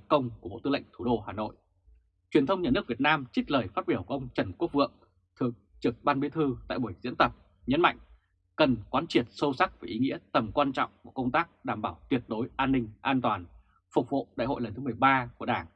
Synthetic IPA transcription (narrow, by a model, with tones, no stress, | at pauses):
kə˧wŋ͡mku˧˩ɓo̰˧˨t̪ɨ˧lə̰˧˨ŋ̟t̪ʰu˧˩ɗo˧˩ɦaː˨˩no̰˧˨jʔ | t͡ɕwi˨˩ənt̪ʰə˧wŋ͡mɲaː˨˩nɨ˦˥ək̚vi˨˩ət̚naː˧mt͡ɕï˦˥k̚ləː˨˩jfaː˦˥t̚ɓi˧˩əwku˧˩ʔə˧wŋ͡mt͡ɕə˨˩nku˦˥ək̚vɨ̰˧˨əŋ | t̪ʰɨ˨˩əŋ̚ | t͡ɕɨ˨˩ək̚ɓaː˧nɓi˨˦jt̪ʰɨ˧t̪a̰ː˧˨jɓu˨˩əjzḭ˧˥ənt̪ə˨˩p̚ | ɲə˨˦nma̰˧˨jŋ̟ | kə˨˩nkwaː˨˦nt͡ɕi˨˩ət̚so˧sa˦˥k̚vaː˨˩ʔi˨˦ŋḭ˧˥ət̪ə˨˩mkwaː˧nt͡ɕɔ̰˧˨wŋ͡mku˧˩əkə˧wŋ͡mt̪aː˦˥k̚ɗaː˧˩mɓaː˧˩wt̪wi˨˩ət̚ɗo˨˦jʔaː˧nːï˧ŋ̟ʔaː˧nt̪waː˨˩n | fʊ˨˩k͡p̚vo̰˧˨ɗaː˧˨jho̰˧˨jlə˨˩nt̪ɨ˨˦m˨˩əjɓaː˧ku˧˩əɗaː˧˩ŋ